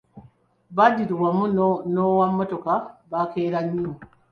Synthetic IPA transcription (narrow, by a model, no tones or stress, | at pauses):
badiɾuwamunnowamːɔtokabakeːɾaɲːimu